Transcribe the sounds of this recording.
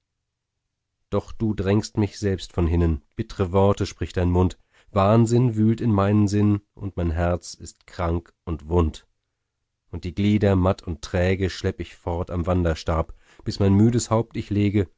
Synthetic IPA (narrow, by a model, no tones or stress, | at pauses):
d̥ɔχd̥uːdʁɛŋstmɪçz̥ɛlpstfɔnɦɪnənb̥ɪtəʁəvɔɐtəʃpʁ̥ɪçtd̥aɪnmʊnt | v̥aːnzɪnvyːltɪnmaɪnənzɪnʔʊntmaɪnɦɛɐt͡sɪstkʁ̥aŋk | ʔʊntv̥ʊnt | ʔʊnt̚d̥iːɡliːdɐmatʰʊntʁ̥ɛːɡəʃlɛpəɪçfɔɐtamvandɐʃtaɐp | b̥ɪsmaɪnmyːdəshaʊp̚tɪçleːɡə